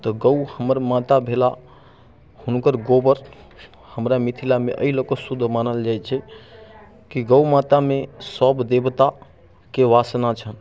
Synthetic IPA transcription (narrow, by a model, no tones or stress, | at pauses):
t̪ɔɡəuhəməɾmat̪abʱela | hunkəɾɡobəɾ | həmɾamit̪ʰilamḛʔə̰ilokəsud̪ʱːmanəld͡ʒajt͡ʃʰɛ | kiɡəumat̪amesəbd̪ebt̪a | keʋasnat͡ʃʰən